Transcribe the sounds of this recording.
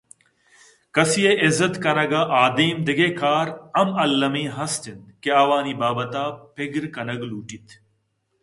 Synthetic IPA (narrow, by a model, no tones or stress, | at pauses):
kɐsijeʔɪzət̪kɐɾɐɡaːʔaːd̪iːmd̪ɪɡeːkʰaːɾɐmɐlːɐmĩːɦɐst̪ʰɪnd̪keɐːʋaːniːbaːbɐt̪aːpʰɪɡɾkɐnɐɡluːʈit̪ʰ